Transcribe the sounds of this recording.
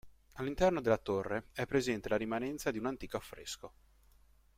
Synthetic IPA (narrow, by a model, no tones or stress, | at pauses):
alːint̪ɛrnod̪elːat̪orːeɛpːɾezɛnt̪elaɾimanɛnt̪sad̪iunant̪iːkoafːɾḛsko